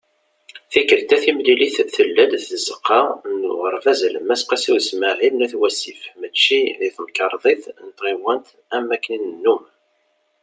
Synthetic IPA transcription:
θikːəɾt̪æθimliliθθəlːæd̪θəzəqːɑnːʊ̰ʁəɾˤfæzləmæsqɑsiwsməʕilnæθwæsifmət͡ʃːiðiθməkəɾˤðˤeθnət̪ʁiwænt̪ | æmːækːninənːum

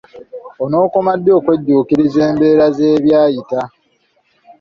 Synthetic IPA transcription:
ono̞ːko̞madːo̞ːkwe̞ɟːuːkiɾize̞ːmbe̞ːɾaze̞ːβjaːjita

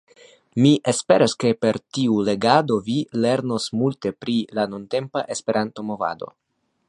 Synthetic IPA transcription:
miʔe̞spe̞ɾaske̞pe̞ɾtiule̞ɡado̞vile̞ɾno̞smulte̞pɾilanonte̞mpaʔe̞spe̞ɾʔanto̞mo̞va̰do̞̰

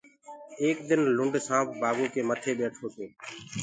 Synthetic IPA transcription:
eːk̚d̪ɪnlʊɳɖsãːpʰbaːbõːkeːmət̪ʰeːɓeːʈʰoːt̪oː

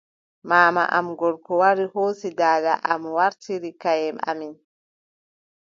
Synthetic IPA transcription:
maːma̰ʔamɡɔɾkɔwaɾihoːsidaːda̰ʔamwaɾtiɾikajɛma̰min

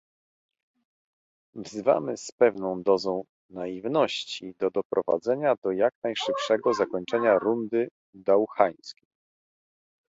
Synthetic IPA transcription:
vzɘva̰mɘspɛvnɔ̃w̃d̪ɔzɔ̃w̃ | naivnɔɕt͡ɕid̪ɔd̪ɔpɾɔva̰d̪zɛɲad̪ɔjaknajʂɘpʂɛɡɔzakɔɲt͡ʂɛɲaɾund̪ɘ | d̪awxaj̃skʲi

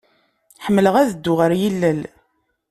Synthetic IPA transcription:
ħəmːləʁæðəd̪ːʊʁəɾjilːəl

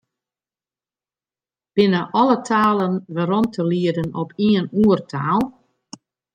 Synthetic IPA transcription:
b̥ɪnəʔɔlˠətʰaːlˠənʋəɾɔntʰəliədənɔpʰiənuərtʰaːlˠ

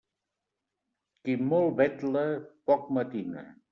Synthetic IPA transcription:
kimolˠbɛt̪ləpɔk̚mət̪inə̰

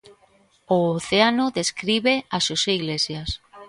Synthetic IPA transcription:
oːθeanoðeskɾiβeaʃoseiɣlesjas

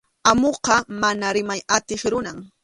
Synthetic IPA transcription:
amoqɑmanaɾɪmajat̪ɪχɾʊnaŋ

